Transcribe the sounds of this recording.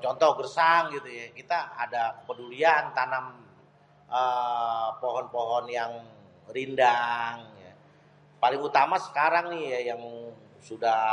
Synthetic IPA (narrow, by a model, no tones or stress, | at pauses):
t͡ʃɔnt̪ɔhɡərsaŋɡit̪ujakit̪aːdakəpəduliant̪anam | ə | pɔɦɔnpɔɦɔnjaŋ | ɾindaŋja | palɪŋut̪amasə̥kaɾaŋnɪhjajaŋ | suda